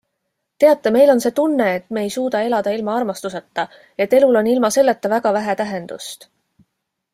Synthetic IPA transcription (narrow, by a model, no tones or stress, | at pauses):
t̪e̞ɑt̪ˑːeme̞jlo̞nse̞ːt̪unːe̞ːt̪ːme̞ːjsuːd̪̥ɑe̞lɑd̪ɑilmɑɑrmɑst̪uset̪ːɑ | e̞t̪ːe̞lulo̞nːilmɑse̞lːet̪ːɑvæɡ̥ɑvæɦæt̪æɦe̞nd̪̥ust̪